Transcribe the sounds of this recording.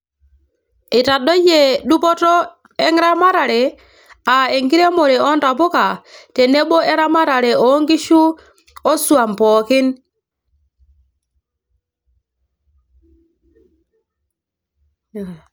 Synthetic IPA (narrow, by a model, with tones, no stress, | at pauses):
i˨ta˨ɗo˦je˨ɗu˦pɔ˦tɔ˦ | e˦ŋɾa˦ma˦ɾa˨ɾe˨ | a˨e˨ŋɡi˦ɾe˦mo˨ɾe˨ɔ˦nta˨pu˦ka˨te˨ne˦ɓo˦ʔe˦ɾa˦ma˦ɾa˨ɾe˨o˨˦ŋɡi˦ʃu˦ | o˦su˨a˨mpɔ˨kɪ˦n